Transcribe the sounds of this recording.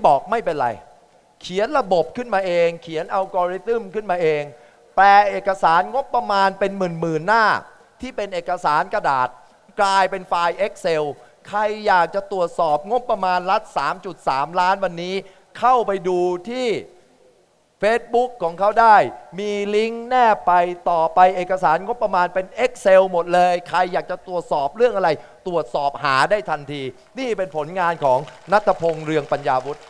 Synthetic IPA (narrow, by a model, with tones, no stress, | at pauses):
bɔː˨˩k̚ma˥˩jpe˧nɾa̰˧j | kʰi˩˦ənɾa˧bo˨˩p̚kʰɯ˥˩nmaː˧ʔeː˧ŋkʰi˨˩˦ənʔa˧wkɔː˧ɾi˦˥t̪ɯ˥˩mkʰɯ˥˩nmaː˧ʔeː˧ŋ | plɛː˨˩ʔeː˨˩kːa˧saː˩˦nŋo˦˥pːɾa˧maː˧npe˧nmɯː˨˩nmɯː˨˩nːaː˥˩ | t̪ʰiː˥˩pe˧nʔeː˨˩kːa˧saː˩˦nka˧da̰ː˨˩t̪̚ | klaː˧jpe˧nfaː˧jʔe˦˥k̚se˧w | kʰa˧jːaː˨˩k̚t͡ɕa˨˩t̪ɾu˨˩ət̪̚sɔː˨˩p̚ŋo˦˥pːɾa˧maː˧nla˦˥t̪̚saː˩˦mt͡ɕu˨˩t̪̚saː˩˦mlaː˦˥nwa˧nːiː˦˥ | kʰa˥˩wpa˧jduː˧t̪ʰiː˥˩ | feː˦˥t̪̚bu˦˥kʰːɔː˩˦ŋkʰa˦˥wdaː˥˩jmiː˧li˦˥ŋnɛː˥˩pa˧jt̪ɔː˨˩pa˧jʔeː˨˩kːa˧saː˩˦nŋo˦˥pːɾa˧maː˧npe˧nʔe˦˥k̚se˧wmo˨˩t̪̚lɤː˧jkʰɾa˧jːaː˨˩k̚t͡ɕa˨˩t̪ɾu˨˩ət̪̚sɔː˨˩p̚ɾɯ˥˩əŋʔa˧ɾa˧jt̪ɾu˨˩ət̪̚sɔː˨˩p̚haː˩˦daː˥˩jt̪ʰa˧nt̪ʰiː˧ | niː˥˩pe˧npʰo˩˦nŋaː˧nkʰɔː˩˦ŋna˦˥t̪ʰːa˧pʰo˧ŋɾɯ˧əŋpa˧njaː˧wu˦˥t̪̚